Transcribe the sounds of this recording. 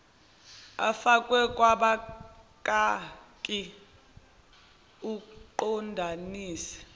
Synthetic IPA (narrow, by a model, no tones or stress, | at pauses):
a̰fakʼwɛkʼwaɓakʼakʼi | uǃɔndʱaniːsɛ̥